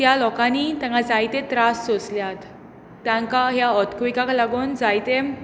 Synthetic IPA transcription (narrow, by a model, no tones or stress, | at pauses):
jalɔkanit̪jãŋkad͡zajt̪et̪ɾast͡sosljat̪ː | jãŋkaɦjaət̪kʋikaklaɡoːnd͡zajt̪e